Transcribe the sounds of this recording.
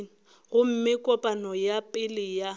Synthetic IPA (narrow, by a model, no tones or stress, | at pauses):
ɣʊm̩mɪkʼɔpʼanɔjapʼɪlɪja